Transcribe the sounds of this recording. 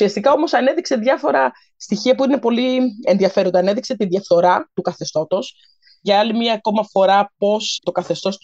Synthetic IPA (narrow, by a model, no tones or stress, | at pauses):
siɐst̪ikɐo̞mo̞sɐne̞ðikseðʝɐfo̞ɾɐ | st̪içiɐpuine̞po̞lienðiɐfe̞ɾo̞nd̪ɐne̞ðikse̞t̪inðʝɐft̪o̞ɾɐt̪ukɐθe̞st̪o̞t̪o̞s | ʝɐɐlimɲɐːko̞mɐfo̞ɾɐpo̞st̪o̞kɐθe̞st̪o̞s